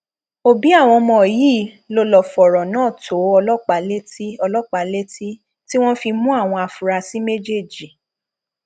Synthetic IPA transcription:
o˦bi˨˦a˦˨w̃ɔ̃˧mɔ̃˧˨jiː˨˦˨ | lo˧lɔ˨fɔ˨ɾɔ˨nãː˦˨tʰo˨˦ɔ˧lɔ˦˨k͡pa˨˦le˦ti˦ɔ˧lɔ˦k͡pa˨˦le˦ti˦ | ti˦w̃ɔ̃˦fi˧mũ˦a˦˨w̃ɔ̃˧a˨fu˨ɾa˧si˦me˦d͡ʒe˦˨d͡ʒi˨

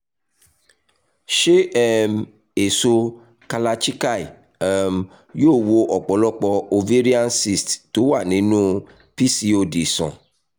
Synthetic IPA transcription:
ʃe˦ɛ˦m | e˨so˧ | ka˧la˧t͡ʃi˦ka˦˨i˨ | ɛ˦m | joː˦˨wo˧ʔɔ˨k͡pɔ˨˦lɔ˦k͡pɔ˧o˧ve˦ɾi˦a˦nsi˦˨stto˨˦wa˦˨nĩ˨˦nũ˦ | pi˦si˦o˧di˨sɔ̰̃˨

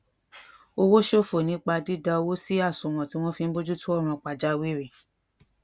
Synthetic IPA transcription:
o˧wo˦ʃo˦˨fo˨nĩ˨˦k͡pa˧di˦da˧o˧wo˦si˦a˦˨so˨w̃ã˨ti˨˦w̃ɔ̃˦fi˧n̩˦bo˦d͡ʒu˦tũ˦ɔ˦˨ɾ̃ã˧k͡pa˨d͡ʒa˦wi˦ɾe˦˨

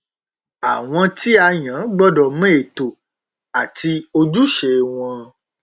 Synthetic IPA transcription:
a˨w̃ɔ̃˧ti˦a˧jã˨˦ɡ͡bɔ˦dɔ˨mẽ˦e˨to˨ | a˨ti˧o˧d͡ʒu˦ʃe˨w̃ɔ̃˧

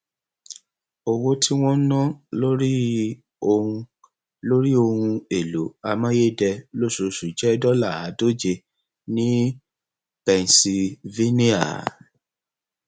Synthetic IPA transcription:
o˧wo˦tʰi˦w̃ɔ̃˦n̩˦nã˦lo˦ɾi˦ | õ˧ | lo˦ɾi˦o˧hũ˧e˨lo˨˦a˧mã˦je˦˨dɛ˧lo˦˨so˨˧ʃu˨d͡ʒɛ˦dɔ˦la˦˨a˨˦do˦d͡ʒe˧ | nĩ˦ | pɛ˨n˨si˧ve˦ni˦a̰˨

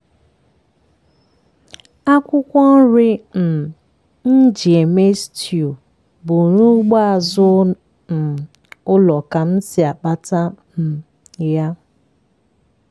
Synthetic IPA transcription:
a˦kʷʊ˦kʷɔ˦n̩˦ɾɪ˦n̩˨ | n̩˦d͡ʒi˨e˨me˦sti˨u˨ | bʊ˨ɾu˦ɡ͡ba˦a˨zʊ˦ | n̩˨ | ʊ˦lɔ˨ka˨n̩˦sɪ˨a˨k͡pa˦ta˦m̩˨ | ja˦

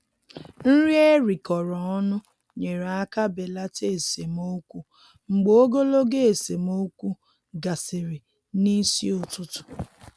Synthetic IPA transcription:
n̩˦ɾi˦e˦ɾi˨kɔ˨ɾɔ˨ɔ˦nʊ˦ | ɲe˨ɾa˦ka˦be˨la˦te˦˨e˨se˨mo˦kʷu˦ | ŋ͡m̩˨ɡ͡bo˨o˦ɡo˦lo˦ɡe˦e˨se˨mo˦kʷu˦ | ɡa˨sɪ˨ɾɪ˨ | ni˦si˦o˨tʊ˦tʊ̥˨

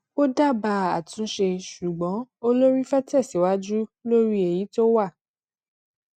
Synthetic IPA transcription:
o˦da˦˨ba˧a˨tũ˨˦ʃe˧ʃu˨ɡ͡bɔ̃˨˦o˦lo˦ɾi˦fɛ˦tɛ˦˨si˨˦wa˦d͡ʒu˦lo˦ɾi˦e˨ji˨˦to˦wa˦˨

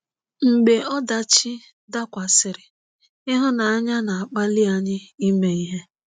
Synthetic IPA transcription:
ŋ͡m̩˨ɡ͡be˨ɔ˦da˨t͡ʃɪ˦ | da˦kʷa˨sɪ˨ɾɪ˨ | ɪ˦ɦʊ˦na˨a˦ɲa˦na˨a˨k͡pa˦li˦a˦ɲɪ˦i˦me˨i˦ɦe˦

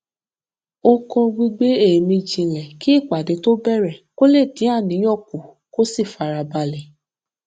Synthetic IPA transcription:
o˧kɔ̃˧ɡ͡bi˧ɡ͡be˦e˦˨mĩ˧d͡ʒĩ˧lɛ˨ki˦i˦˨k͡pa˨de˨˦to˦bɛ˦˨ɾɛ˨ko˦le˦˨tĩ˨˦a˦˨nĩ˨˦jɔ˦˨ku˨ | ko˦si˦˨fa˨ɾa˨ba˧lɛ˨

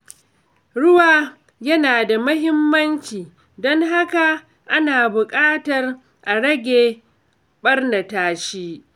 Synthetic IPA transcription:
ɽʊ˦waː˨ | jɐ˦naː˨da˨mʊ˦ɦɪ˦mːɐ˦nt͡ʃiː˨ | dɔ˦ŋɦa˦ka˨ | ʔa˦naː˨bʊ˨kʼaː˦tɐ˨r | ʔa˨ɽɐ˦ɡʲeː˨ | ɓɐ˦rnɐ˨taː˦ʃiː˦

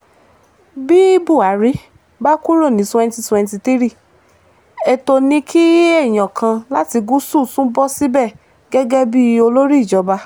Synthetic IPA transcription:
bi˦bu˦˨a˨˦ɾi˦ | ba˦ku˦ɾo˦˨nĩ˨˦tɛ˧n˦ti˧twɛ̃˧n˧t̬i˧ti˦ɾi˦˨ | ɛ˨to˧nĩ˧kʰi˦jɛ˦˨j̃ã˨kʰã˧la˦ti˧ɡu˦su˦˨sũ˦bɔ˦si˦bɛ˦˨ | ɡɛ˦ɡɛ˦bi˦o˧lo˦ɾi˦˨d͡ʒɔ˨˧ba˧

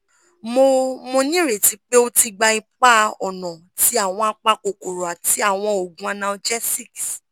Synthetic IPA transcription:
mo˧mo˧nĩ˦ɾe˨ti˨˦k͡pe˦o˦ti˧ɡ͡ba˧i˧k͡pa˦ɔ˨nɔ̃˨ | ti˨˦a˦˨w̃ɔ̃˧a˧k͡pa˧ko˨ko˨ɾo˨a˨ti˨˦a˦˨w̃ɔ̃˧o˨ɡũ˦a˧nã˧d͡ʒɛ˦si˦˨k

